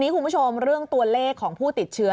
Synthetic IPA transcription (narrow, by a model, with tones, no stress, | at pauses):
niː˦˥kʰu˧npʰu˦˥˩o˧mɾɯ˥˩əŋt̪u˧ɐleː˥˩kʰːɔː˩˦ŋpʰuː˥˩t̪i˨˩t̪̚t͡ɕʰɯ˦˥